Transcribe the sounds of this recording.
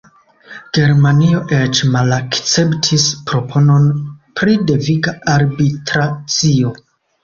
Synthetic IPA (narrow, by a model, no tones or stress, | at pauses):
ɡ̥e̞ɾmanio̞ʔet͡ʃmalakt͡se̞ptʰispɾo̞pʰo̞no̞npɾide̞viɡaaɾbitɾat͡sio̞